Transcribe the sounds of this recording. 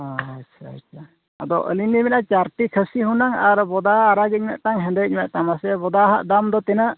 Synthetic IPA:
aat͡ʃʰa̰t͡ʃʰa | a̰d̪ɔʔə̰liniminat͡ʃaɾʈikʰəsiɦunaŋaɾbɔd̪aːɾaɡic̚mɛʔtaŋɦɛndəc̚mɛʔtamasɛbɔd̪aɦa̰ʔd̪amd̪ɔt̪ɛnaʔ

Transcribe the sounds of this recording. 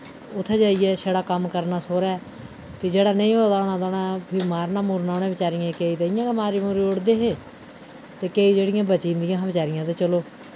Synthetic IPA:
ʊt̪ʰːeːd͡ʒaːiːɛːʃəɽaːkəmkəɾnaːsoːɾɛː | pʰiːd͡ʒeːɽaːnəĩːɦoːd̪aoːnaːd̪oːnaːbiːmaːɾnaːmuːɾnaːnẽːʋɪt͡ʃaːɾɪjãkeːiːt̪eɪjãːkemaːɾimuːɾeːʊɽd̪eːɦeː | t̪eːkeːiːd͡ʒeːɽɪjãːbət͡ʃiːnd̪ɪjãːbɪt͡ʃaːɾɪjãːt̪eːt͡ʃəloː

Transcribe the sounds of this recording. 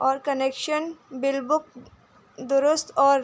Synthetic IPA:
ɔːɾkɐneːkʃənbɪlbʊk | d̪ʊɾʊst̪ʰɔːɾ

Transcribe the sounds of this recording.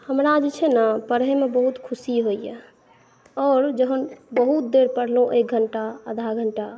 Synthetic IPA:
həmɾad͡ʒet͡ʃʰɛnəpəɾɦemebəɦut̪kʰusiɦoijḛ | ɔːɾd͡ʒəɦənbəɦut̪̚d̪eɾpəɽ̤lũʔek̚ɡʱəɳʈaəd̪ʱaɡʱəɳʈa

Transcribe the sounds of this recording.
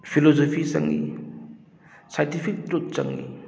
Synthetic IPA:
pʰilozopʰisɐ̰ŋḭ | sajntipʰik̚tɾot̚sa̰ŋːḭ

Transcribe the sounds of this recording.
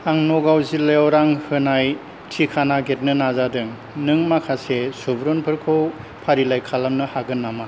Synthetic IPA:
aŋnɔɡawzilejawɾaŋhɯnaj | tʰikʰanaɡet̚nɯnazadɯŋ | nɯŋmakʰasesubɾonpʰɯɾkʰɯwpʰaɾilajkʰalamnɯhaɡɯnːama

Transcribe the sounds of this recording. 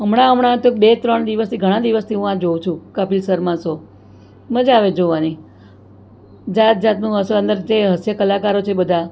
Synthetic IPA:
ɦəmɽ̃aɦəmɽ̃at̪obet̪ɾəɳd̪iʋəst̪ʰiɡʱəɽ̃ãd̪iʋəst̪ʰiɦũãd͡ʒoũt͡ʃʰũkəpilsəɾmãso | məd͡ʒaʋed͡ʒoʋani | d͡ʒat̪̚d͡ʒat̪nũɦəsənd̪əɾt͡ʃeɦəsjəkəlakaɾot͡ʃʰebəd̪ʱa

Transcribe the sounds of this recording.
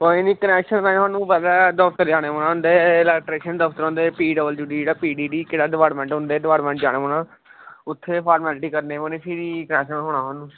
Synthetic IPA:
koːiniːkənɛːkʃənkɛ̃ːɦoːnũːpɛːd̪ɛːd̪ɔːkt̪əɾd͡ʒaːɽeːʋoːnãːɦʊ̃nd̪eːlɛːkʈɾeːʃənd̪əft̪əɾɦõnd̪eːpiːɖəbəld͡ʒuɖiːd͡ʒeːɽaːpiːɖiːɖiːkɪɽaːɖɪʋəːɽmɛ̃ːɳʈɦʊ̃nd̪eːɖɪʋəːɽmɛ̃ːɳʈd͡ʒa̰ːɽ̃eːɦoːɳaː | ʊt̪ʰːeːpʰaːɾmɛːlɪʈiːkəɾneːʋəniːsiːɾiːkənɛːkʃənɦoːɽaːɦoːnũː

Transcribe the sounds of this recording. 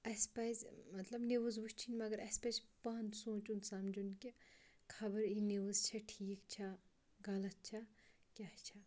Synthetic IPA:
ɐspɐjzmɐt̪lɐbneʋuzbuʃt͡ʃʰinʲmɐɡɐɾɐspɐjzpɐnd̪sõːt͡ʃunsaːmd͡ʒunki | kʰɐbɐɾineʋuzt͡ʃʰɐʈʰiːkt͡ʃʰɐ | ɡɐlɐt̪̚t͡ʃʰɐkʲaht͡ʃʰɐ

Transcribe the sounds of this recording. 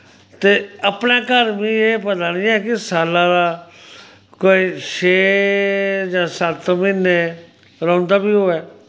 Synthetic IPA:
t̪eːəpnãːkəɾbĩːeːpət̪añiːɛːkɪsaːlãːɾaː | koːiːʃeː | d͡ʒãːsət̪mɪne | ɾɔ̃ːnd̪aːbiːɦoːɛː

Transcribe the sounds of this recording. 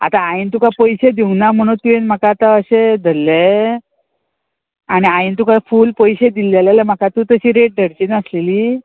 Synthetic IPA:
a̰t̪aaint̪ukapəjɕed̪iũnam̤əɽ̃ũnt̪uenm̤akat̪aəɕed̪ʱəlːe | aɽ̃iaint̪ukafuːlpəjɕed̪iljalalam̤akat̪uːt̪əɕiːɾeʈ̚ɖ̪ʱəɽt͡ɕiːnəsleliː

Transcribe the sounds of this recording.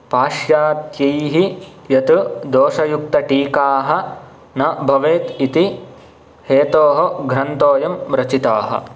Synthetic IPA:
paːʂjaːt̪jɐjɦijɐt̪ud̪oːʃɐjuk̚t̪ɐʈiːkaːɦɐ̆ | nɐbʱɐʋeːt̪it̪i | heːt̪oːɦɐɡʱɾɐnt̪oːjɐmɾɐt͡ʃit̪aːɦɐ̰

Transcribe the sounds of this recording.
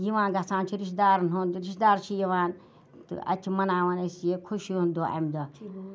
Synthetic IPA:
jiʋãːnɡɐsãːnt͡ʃʰiɾiʃd̪aːɾnɦond̪ɾiʃd̪aːɾt͡ʃʰijiʋãːn | t̪ɨ̰ʔɐ̰t͡ʃʰimɐnaːʋɐnesjekʰuʃiũnd̪oʔɐ̰md̪o

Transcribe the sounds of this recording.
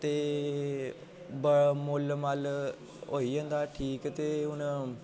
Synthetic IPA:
t̪e | bəɽmolmaːl | oːiə̃nd̪aːʈʰiːkt̪eːʊn

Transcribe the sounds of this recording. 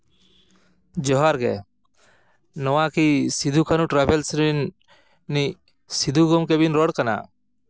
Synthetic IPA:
d͡ʒɔɦaɾɡɛ̰ | nɔwakisid̪ʱukʰanuʈɾabʱɛlsɾin | ni | sid̪ʱuɡɔmkɛbinɾɔɽkana̰

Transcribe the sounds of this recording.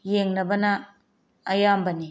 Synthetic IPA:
jeŋnɐbɐnɐː | jambɐni

